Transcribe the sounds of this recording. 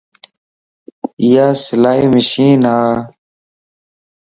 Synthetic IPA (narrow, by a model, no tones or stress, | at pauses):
jaːsəlaːiːməɕiːnaː